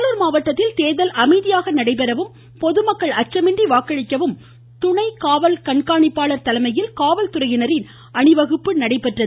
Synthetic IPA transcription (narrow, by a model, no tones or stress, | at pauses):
lɯɾmaːʋɐʈːɐt̪ːɪlt̪eːðɐlʔɐmɐɪðɪjaːɣɐnɐɽɐɪp̬ɛɾɐʋɯm | pɔðɯmɐkːɐɭɐt͡ʃrɐmɪndriʋaːkːɐɻɪkːɐʋɯm | t̪ʊɳɐɪkaːʋɐlkɐɳkaːɳɪpːaːɭɐɾt̪ɐlɐmɐjɪlkaːʋɐlt̪ʊrɐjɪnɐɾɪn | ɐɳɪʋɐɣɯpːɯnɐɽɐɪpːɛʈrɐð